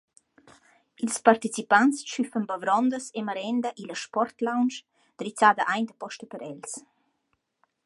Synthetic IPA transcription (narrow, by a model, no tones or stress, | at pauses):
ilspart̪it͡sipant͡st͡ʃyfənbavɾɔnd̪əsemaɾɛnd̪əʔiləʃpɔrt̪lawnt͡ʃ | d̪̥ɾit͡saːd̪əʔajnd̪əpɔʃt̪əpəɾɛls